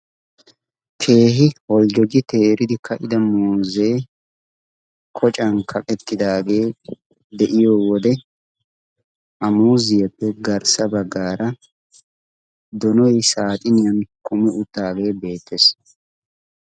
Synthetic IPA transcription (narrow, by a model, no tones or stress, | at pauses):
t̪ʰe̞ːɦɪhɔld͡ʒɔɡɪt̪e̞ːɾɪd̪ɪkʰːɐʔɪd̪ɐmuːze̞ː | kʰɔt͡ʃʼɐnkʰɐkʼɛt̪ːɪd̪aːɡe̞ː | d̪ɛʔɪjoːwɔd̪ɛ | ʔɐmuːzɪjɐpːɛɡɐɾsɐbɐɡːaːɾʔɐ | d̪ɔnɔjsaːt̪ʼɪnɪjɐnkʊmɛʔʊt̪ːaːɡe̞ːbe̞ːt̪ːeːs